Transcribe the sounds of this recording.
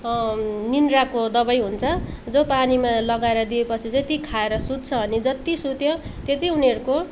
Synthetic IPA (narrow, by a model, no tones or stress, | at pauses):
ninrakod̪ʌbʌjɦunt͡sʰʌ | d͡zopanimalʌɡaeɾʌd̪iepʌt͡sʰid͡zʌt̪ikʰaeɾʌsud̪̚t͡sʰʌʌnid͡zʌt̪isut̪jot̪et̪iuniʌɾuko